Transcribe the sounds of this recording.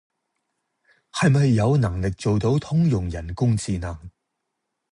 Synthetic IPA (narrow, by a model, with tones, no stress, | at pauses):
hɐ˨jmɐ˨jːɐ˨˧wnɐ˨˩ŋlɪ˨k̚t͡ʃo˨wt̪o˨˥wt̪ʰʊ˥ŋjʊ˨ŋjɐ˨˩nkʊ˥ŋt͡siː˨nɐ˨˩ŋ